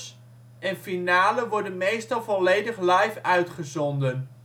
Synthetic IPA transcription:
s | ʔɛnfinaːləʋɔɹdənmejstɑlˠvɔlejdəχlɑjfœɥtχəzɔndən

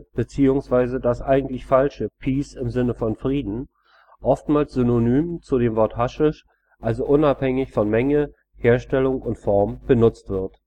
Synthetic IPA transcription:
b̥ət͡siːʊŋsv̥aɪzədasʔaɪɡŋ̩tlɪçfalʃəpʰiːsɪmzɪnəfɔnfʁ̥iːdn̩ | ʔɔftmaːlsz̥ʏnonyːmt͡sudeːmvɔɐthaʃɪʃ | ʔalzoʔʊnaphɛŋɪçfɔnmɛŋə | heːɐʃtɛlʊŋʊntfɔɐmb̥ənʊt͡stv̥ɪɐt

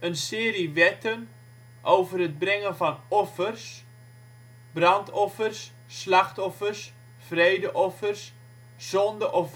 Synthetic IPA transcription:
ənsɪːɾiʋɛtən | ʔowvərəd̚brɛŋənvɑnɔfərs | brɑntʰɔfərsː | lɑxtɔfərs | frejdəʔɔfərs | z̥ɔndəʔɔf

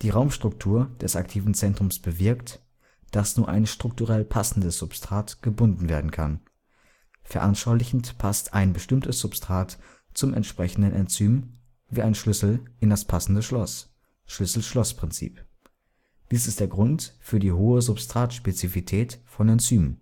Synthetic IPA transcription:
d̥iːʁaʊmʃtʁ̥ʊk̚tʰuːɐd̥ɛsaktʰiːvn̩t͡sɛntʁ̥ʊmsb̥əvɪɐkt | d̥asnuːɐʔa̰ɪnʃtʁ̥ʊk̚tuʁɛlpʰasn̩dəsz̥ʊpstʁ̥aːtɡ̥əbʊndn̩veːɐdn̩kʰan | fɛɐʔanʃaʊlɪçn̩tpʰastʔa̰ɪnbəʃtɪmtʰəsz̥ʊpstʁ̥aːt | t͡sʊmɛ̰ntʃpʁ̥ɛçn̩dənʔɛnt͡syːm | viːaɪnʃlʏsl̩ʔɪndaspʰasn̩dəʃlɔs | ʃlʏsl̩ʃlɔspʁ̥ɪnt͡sḭːp | d̥iːsɪstd̥eːɐɡʁʊntfyːɐdiːɦoːəzʊpstʁ̥aːtʃpet͡sifitʰɛːtfɔnɛnt͡syːmən

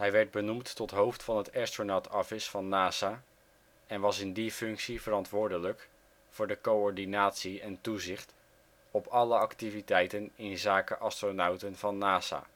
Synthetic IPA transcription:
ɦɛjʋɛɹd̚bənumtːɔtɦowftfɑnɦətaːstronatɑfɪsfɑnːaːzaː | ɛnʋɑsɪndifɵŋksivəɾɑntʋʊːɹdələk | fʊːɹdəkowɔɹdinaːtsiɛntuzɪχt | ɔpɑləɑktivitɛjtənɪnzaːkəʔɑstronawtənvɑnːaːza̰ː

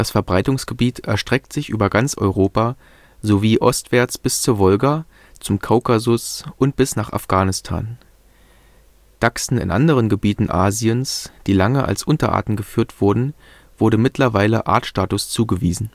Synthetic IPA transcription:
d̥asfɛɐbʁaɪtʊŋsɡ̥əbiːtʰʔɛɐʃtʁ̥ɛk̚tz̥ɪçʔyːbɐɡant͡sʔɔ̰ʏʁoːpaː | zoviːʔɔstv̥ɛːɐt͡sb̥ɪst͡suːɐvɔlɡa | t͡sʊmkʰaʊkazʊsʔʊnt̚b̥ɪsnaːχa̰fɡ̥aːnɪstʰa̰ːn | d̥aksn̩ɪ̰nʔa̰ndəʁ̞ənɡəbiːtn̩ʔaːziənsd̥iːlaŋəʔa̰lsʔʊntɐʔa̰ːɐtn̩ɡəfyːɐtv̥ʊɐdn̩ | v̥ʊɐdəmɪtlɐvaɪləʔa̰ːɐtʃtaːtʊst͡suːɡəviːzn̩

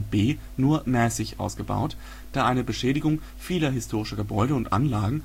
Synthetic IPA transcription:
b̥eː | nuːɐmɛːsɪçʔa̰ʊsɡ̥əba̰ʊt | d̥aːʔaɪnəbəʃɛːɾɪɡʊŋ | fiːlɐɦɪstʰoːʁ̞ɪʃɐɡəbɔʏɾəʊntʔa̰nlaːɡŋ̩

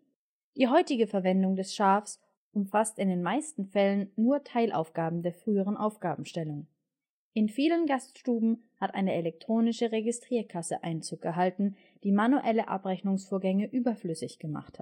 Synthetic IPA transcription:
d̥iːɦɔʏtɪɡəfɛɐvɛndʊŋdɛsʃaːfs | ʔʊmfastɪndeːnmaɪstn̩fɛlənːuːɐtʰaɪlʔa̰ʊfɡ̥aːbm̩deːɐfʁ̥yːəʁ̞ənʔaʊfɡ̥aːbm̩ʃtɛlʊŋ | ʔɪnfiːlənɡastʃtuːbm̩ | hatʔa̰ɪnəʔelɛk̚tʁ̥oːnɪʃəʁeɡɪstʁ̥iːɐkʰasəʔaɪnt͡suːk̚ɡ̥əɦaltn̩ | d̥iːmanuʔɛləʔa̰pʁɛçnʊŋsfoːɐɡɛŋəʔyːbɐflʏsɪçɡ̥əma̰χthat

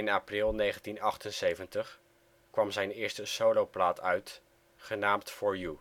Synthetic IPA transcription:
ɪnaːprɪlˠnejχəntinɑχtənsejvəntəχ | kʋɑmzɛjnɪːɹstəsowlowplaːtʰœɥt | χənaːmtfɔɹju

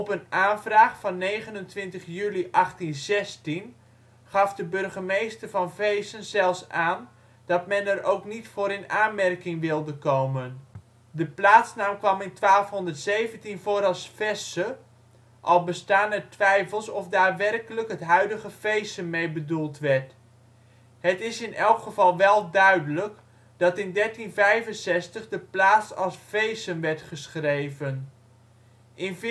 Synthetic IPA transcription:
ɔpənaːnvraːχfɑnːejɣənəntʋɪntəχjyliʔɑχtinzɛstin | χɑfdəbɵrɣəmejstərvɑnvejsənzɛlˠsaːn | d̥ɑtmɛnərowknitfoːɾɪnaːnmɛrkɪŋʋɪlˠdəkowmən | dəplaːtsnaːmkʋɑmɪntʋaːlˠfɦɔndərtsejvəntinfoːɾɑlˠsfɛsə | ʔɑlˠbəstaːnɛtʋɛjfəlˠsɔfdaːtʋɛrkələkɦətɦœɥdəχəfejsənmejbədulˠtʋɛɹt | ɦətɪsɪnʔɛlˠkχəvɑlˠʋɛlˠdœɥdələk | d̥ɑtɪndɛɹtinvɛjvənsɛstəχdəplaːtsɑlˠsfejsənʋɛɹtχəsχrejvən | ʔɪnv

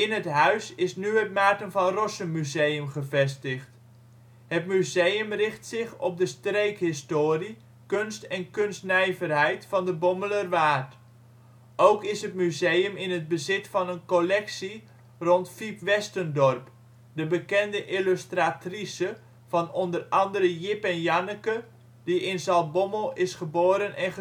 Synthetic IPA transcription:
ɪnətɦœɥsɪsnyɦət̚maːtənvɑnrɔsəmyzejəmχəvɛstəχt | ɦətmyzejəmrɪχtsɪχɔp̚dəstrejkɦɪstoːri | kɵnstɛnkɵnstnɛjvərɦɛjtfɑndəbɔmələrʋaːt | owkɪsɦətmyzejəmɪnɦəd̚bəzɪtfɑnənkolɛksi | rɔntfipʋɛstəndɔrp | dəbəkɛndəʔɪløstratrisə | vɑnɔndərɑndəɾəjɪpɛnjanəkə | diɪnzɑlˠbɔməlˠɪsχəboːɾənʔɛnχə

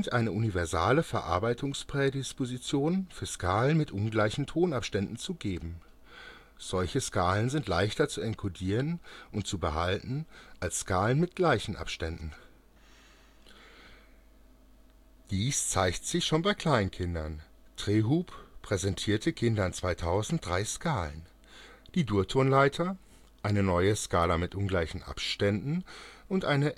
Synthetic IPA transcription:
ntʔaɪnəʔunivɛɐza̰ːləfɛɐʔa̰ɐbaɪtʰʊŋspʁ̥ɛdɪspozit͡sjoːnfyːɐskʰaːlənmɪtʔʊnɡlaɪçn̩tʰoːnapʃtɛndn̩t͡suɡeːbm̩ | z̥ɔlçəskaːlənzɪntla̰ɪçtɐt͡suɛnkʰudiːʁənʔʊnt̚t͡subəɦaltn̩ʔalsskaːlənmɪt̚ɡ̥laɪçn̩ʔa̰pʃtɛndn̩ | d̥iːst͡saɪçtz̥ɪçʃoːnbaɪkʰl̥aɪnənkʰɪndɐn | d̥ʁ̥eːɦuːppʁ̥ɛzɛntʰiːɐtʰəkʰɪndɐnt͡sv̥aɪtʰaʊzn̩t̚d̥ʁaɪskʰaːlə̰n | d̥iːduːɐtʰoːnlaɪtʰɐ | ʔaɪnənɔʏəskaːlamɪtʔʊnɡlaɪçn̩ʔa̰pʃtɛndn̩ʔʊntʔaɪnə

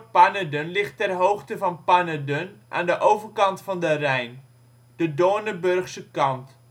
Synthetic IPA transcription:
pɐnədənlɪχtːɛrɦowχtəvɑnpanədənʔa̰ːndəʔowvərkɑntfɑndərɛjn | d̥ədoːnəbørχsəkɑnt

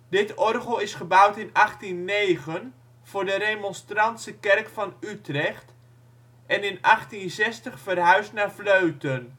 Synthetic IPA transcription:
dɪtɔrχəlˠɪsχəbʌwtɪnɑχtinːejχən | v̥ʊːɹdəɾejmɔnstrɑntsəkɛrkfɑnytrɛχt | ɛnɪnʔɑχtinzɛstəχfərɦœɥstnaːɹfløɥtən

